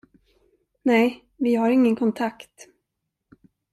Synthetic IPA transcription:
nɛj | vɪɦaɾɪŋːənkʰɔnt̪ʰakt̪

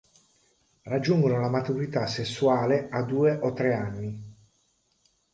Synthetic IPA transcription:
rad͡ʒːuŋɡonolamat̪uɾit̪asːesːuaːlead̪uːeʔot̪ːɾeanːi

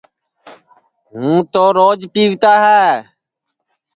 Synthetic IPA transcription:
ɦũːt̪oːɾoːd͡ʒpiːʋt̪aːɦɛː

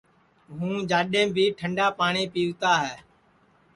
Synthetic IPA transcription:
ɦũːd͡ʒaːɗẽːbʱiːʈʰəɳɖaːpaːɳiːpiːʋt̪aːɦɛː

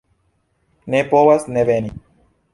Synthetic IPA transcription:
nepowasnebeni

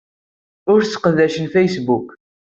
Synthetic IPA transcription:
ʊɾt͡sːqəðæʃənfejsbuk

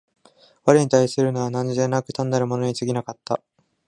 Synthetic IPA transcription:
βaɾɯɲ̟it̪aisɨɾɯ̟noβanãɲzenːakɯ̟t̪ãnːaɾɯ̟mo̞no̞ɲ̟it͡sɨɡʲinakat̪ːa̰

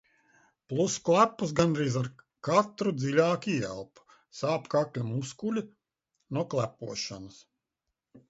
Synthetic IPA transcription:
plˠusklˠæpːus̬ɡanɾiːzaɾ | kat̪ɾud̪zilʲaːkʲiɛ̰lˠpu̥ | saːpkaklʲamuskulʲi | nuɔklˠæpuɔʃanɐs

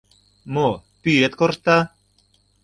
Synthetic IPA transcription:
mopyet̪kort̪a

